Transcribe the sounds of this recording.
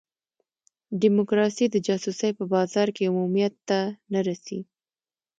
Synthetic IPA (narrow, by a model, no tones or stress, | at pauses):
ɖɪmokɾɑsid̪əd͡ʒɑsusəjpəbɑzɑɾkeʊmumijat̪ːanaɾasḭ